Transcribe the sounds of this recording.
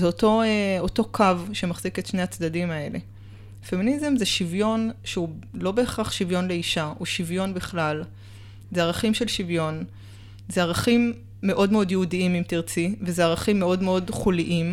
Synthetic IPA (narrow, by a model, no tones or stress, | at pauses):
zeoto̞eo̞to̞kʰavʃe̞maχz̥iketʃne̞jat͡sdadimae̞le̞̰ | feminizemzeʃivjo̞nʃeulo̞be̞ːχʁaχʃivjo̞nle̞iʃauʃivjo̞nbiχlal | zeaʁaχimʃe̞lʃivjo̞n | zeaʁaχimː | e̞ʔo̞dmeo̞djeudiimimtiʁt͡sivezeaʁaχimːeo̞dmeo̞dχuliʔim